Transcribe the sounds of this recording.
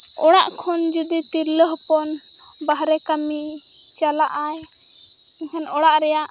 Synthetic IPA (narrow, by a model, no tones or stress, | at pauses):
ɔɽ̃aʔkʰɔnd͡ʒud̪it̪iɾləɦpɔn | baɦɾɛkami | t͡ʃalaʔaj | ɛkʰanɔɽaʔɾɛjaʔ